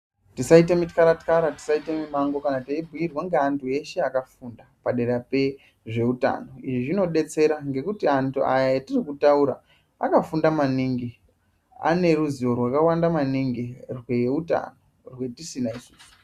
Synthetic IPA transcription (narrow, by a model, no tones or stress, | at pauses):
tisaitemitkaɾatkaɾati̥saitemimaŋɡo̞kanataibʱujirwaŋɡeantʰue̞ʃe̞akafundapaɗe̞ɾape | ʐe̞uta̰no̞iʐiʐino̞ɗe̞t͡se̞ɾaŋɡe̞kutiantʰuʔajajatirikutauɾa̰ | akafundamaniŋɡi | a̰ne̞ruzio̞rwakawandamaniŋɡirweuta̰no̞ | rwe̞tisinaisuːsu̥